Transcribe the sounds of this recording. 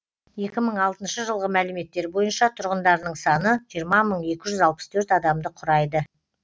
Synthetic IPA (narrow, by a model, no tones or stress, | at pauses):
je̞kʲɪməɴɑlˠt̪ənʃəʒəlˠʁəmælɪme̞t̪ːe̞ɾbo̞jənʃɑt̪ʰʊɾʁənd̪ɑɾnəɴsɑnəʒijəɾmɑməɴe̞kʲɪʒʏzɑlˠpə̥st̪ʰɵɾt̪ɑd̪ɑmd̪əqʰʊɾɑjd̪ə